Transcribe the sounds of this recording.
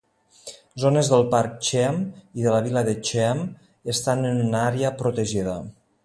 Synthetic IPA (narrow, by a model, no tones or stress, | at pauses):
zonəzðəlˠpaɾk̚t͡ʃɛmiðəlaβ̞iləðət͡ʃɛm | əst̪anənynaɾeəpɾut̪əʒiðə